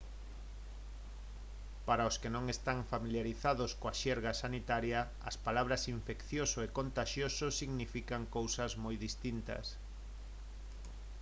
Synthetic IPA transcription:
paɾaʊskenõŋest̪aŋfamiljaɾiθaðʊskoaʃɛɾɣasanit̪aɾjɐ | ɐspalaβ̞ɾɐsiɱfekθjosoekont̪aʃjososiɣnifikaŋkowsɐzmojðist̪int̪ɐ̰s

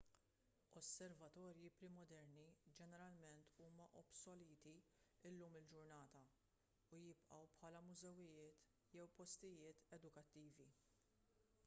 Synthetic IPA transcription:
ɔsːɛɾvɐt̪ɔːɾjipɾɪmɔd̪ɛɾnid͡ʒɛnɛɾɐlmɛnt̪uːmɐʔɔbsɔliːt̪iɪlːuːmɪld͡ʒʊɾnɐːt̪ɐ | ʊjɪpʔɐwpħɐːlɐmʊzɛwɪjɪːt̪ | jɛwpɔst̪ɪjɪːt̪ɛd̪ʊkɐt̪ːiːvi

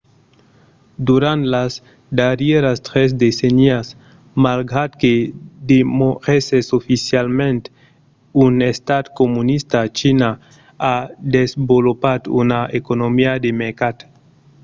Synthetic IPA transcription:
d̪uɾant̪las | d̪aɾjeɾast̪ɾesd̪esenias | maɾɡat̪ked̪emoʁesesofisjalmẽnt̪ | unest̪ad̪komunist̪at͡ʃina | ad̪ezmbolopad̪ṵnaekonomiad̪emeɾkat̪

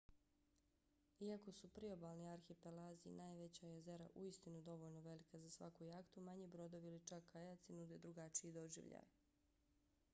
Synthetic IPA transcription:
iako̞supɾio̞baːlˠniaɾxipelaːziḭnaːjʋe̞t͡ɕajeze̞ɾa̰ʔuist̪inud̪o̞ʋo̞ʎnoʋe̞likazasʋa̰kujaːkt̪umaɲibɾo̞d̪oʋilit͡ʃakʰːajat̪sinud̪e̞d̪ɾuɡat͡ʃiid̪o̞ʒḭʋʎa̰j

